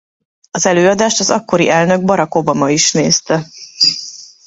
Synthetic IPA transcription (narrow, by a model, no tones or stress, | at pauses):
ɒzɛløːɒd̪aːʃt̪ɒzɒkːo̞ɾḭʔɛlnø̞ɡ̚bɒɾɒko̞bɒmɒiʃneːst̪ɛ